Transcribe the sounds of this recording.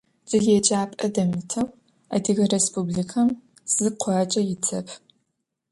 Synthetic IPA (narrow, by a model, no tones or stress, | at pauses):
z̥ɨɣet͡ʃʼaːpʼɐdɐmɨtʰɐw | a̰ːdiɣɐrespʰublikʰɐm | z̥ɨqʷʰɑt͡ʃʼɐjɪt͡sʰɐpʰ